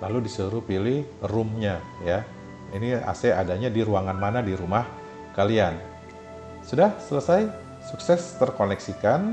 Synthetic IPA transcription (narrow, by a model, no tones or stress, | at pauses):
laludisəɾupilɪhrʊmɲa | ja | inia̰sɛa̰daɲadiɾuaŋanmanadiɾumah | kalian | sudahsələsaj | suksɛst̪ərkonɛksikan